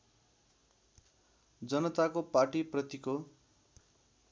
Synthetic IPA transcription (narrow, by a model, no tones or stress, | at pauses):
d͡zʌnʌt̪akoparʈiprʌt̪iko